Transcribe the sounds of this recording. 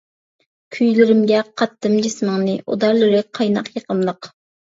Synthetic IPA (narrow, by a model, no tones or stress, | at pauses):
kʲʰyjlɪɾɪmɡʲɛqʰɑt̪ːɨmd͡ʒismɨŋnɨʔo̰d̪ɑɾlˠɨɾɨqʰːɑjnɑqjeqʰəmlˠəq